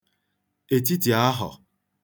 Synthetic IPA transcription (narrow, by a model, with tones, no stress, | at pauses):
e˨t̬i˦ti˨a˦ɦɔ̰˨